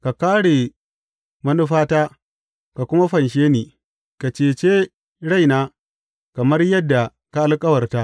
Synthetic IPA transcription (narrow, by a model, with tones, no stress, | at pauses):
ka˨kaː˦ɽe˨ | mɐ˦nʊ˦ɸaː˦taː˦ | ka˨kʷʊ˦ma˦ɸɐ˨nʃ̬eː˦niː˨ | ka˨t͡ʃeː˨t͡ʃeː˦ | ɽa˦jnaː˦ | kɐ˨mɐ˦rjɐ˦dːa˨ | ka˦ʔa˦lkʼɐ˦wɐ˨rtaː˦ʔ